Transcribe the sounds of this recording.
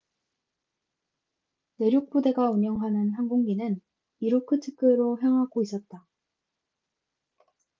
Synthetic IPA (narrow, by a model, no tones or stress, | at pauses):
ne̞ɾjok̚p͈ode̞ɡauɲjʌŋɦanɯnɦanɡoŋɡinɯn | iɾokʰɯtʰɯ̥k͈ɯɾoɦjʌŋɦaɡois͈ʌt̚t͈a